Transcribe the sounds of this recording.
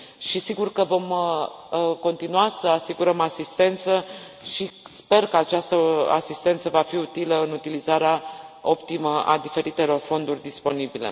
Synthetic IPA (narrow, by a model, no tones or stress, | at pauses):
ʃisiɡurkəvo̞m | ko̞nt̪inuasəasiɡuɾəmasist̪e̞nt̪sə | ʃispe̞rkəat͡ʃast̪əa̰sist̪e̞nt̪səvafiut̪iləɨnut̪ilizaɾeao̞pt̪iməʔa̰d̪ife̞ɾit̪e̞lo̞rfo̞nd̪urʲd̪ispo̞nibilḛ